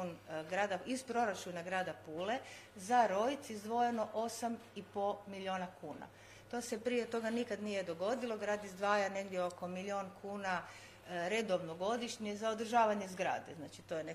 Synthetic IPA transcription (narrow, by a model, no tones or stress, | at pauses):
nɡɾaːd̪aizpɾo̞ɾat͡ʃunaɡɾaːd̪apuːle̞zaɾo̞jt̪sizd̪ʋo̞jeno̞ʔo̞sam | ipomilʲioːnakuːna̰ | t̪o̞ːse̞pɾije̞t̪o̞ɡanikad̪nije̞d̪o̞ɡo̞d̪ilo̞ɡɾaːd̪izd̪ʋaːjane̞ɡd̪jeo̞ko̞milʲionkʰuːna | ɾe̞d̪o̞ʋnoɡo̞d̪iʃɲezao̞d̪r̩ʒaːʋaɲe̞zɡɾa̰ːd̪eznaːt͡ʃit̪o̞jene